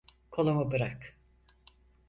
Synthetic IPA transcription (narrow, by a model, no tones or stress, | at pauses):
kʰolˠamabɯɾak